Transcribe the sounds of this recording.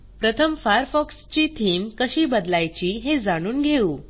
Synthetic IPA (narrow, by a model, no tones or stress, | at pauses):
pɾət̪ʰəmfaəɾfɔkst͡ɕit̪ʰiːmkəɕiːbəd̪lajt͡ɕiːɦed͡zaɽ̃uːnɡʱeuː